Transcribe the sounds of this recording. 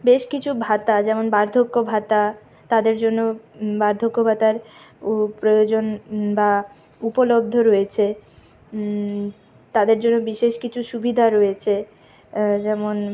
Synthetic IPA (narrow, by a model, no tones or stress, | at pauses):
beʃkit͡ɕʰubʱat̪ad͡ʑɛmonbaɾd̪ʱokːobʱat̪a | t̪ad̪eɾd͡ʑonːobaɾd̪ʱokːobʱat̪aɾ | pɾojod͡ʑonba | upolob̚d̪ʱoɾojet͡ɕʰe | t̪ad̪eɾd͡ʑonːobiʃeʃkit͡ɕʰuʃubid̪ʱaɾojet͡ɕʰe | d͡ʑɛmon